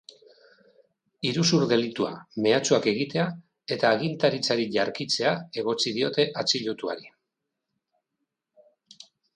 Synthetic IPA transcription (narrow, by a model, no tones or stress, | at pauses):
iɾusuɾðe̞lit̪ua̰me̞at͡suake̞ɣ̞it̪e̞a | e̞t̪aːɣ̞int̪aɾit͡saɾiʎaɾkit͡se̞ae̞ɣo̞t͡sið̞io̞t̪e̞ʔat͡siʎut̪ua̰ɾi